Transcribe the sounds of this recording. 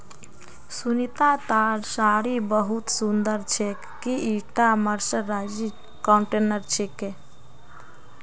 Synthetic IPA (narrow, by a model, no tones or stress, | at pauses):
sunit̪at̪aɾsaɾibəɦut̪sund̪əɾt͡ʃʰekːiiʈaməɾsəːad͡ʒi | kɔɳʈenəɾt͡ʃʰeke